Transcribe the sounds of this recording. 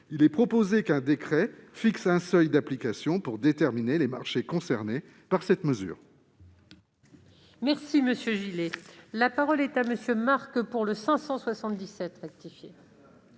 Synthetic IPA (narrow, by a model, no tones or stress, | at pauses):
ilɛpχɔpozekɛ̃d̪ekχɛfiksɛ̃sœjd̪aplikasjɔ̃puʁd̪et̪ɛʁminelema̰ʁʃekɔ̃sɛʁne | paʁsɛt̪məzy̰ːʁ | mɛʁsiməsjøʒilelapaʁɔlɛt̪aməsjømaʁkpuʁləsɛ̃sɑ̃swasɑ̃t̪d̪isɛt̪ʁɛk̚t̪ifje